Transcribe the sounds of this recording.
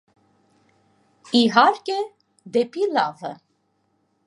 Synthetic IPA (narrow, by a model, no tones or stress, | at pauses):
iɦɑɾkʲɛ | d̪ɛpilɑvə̰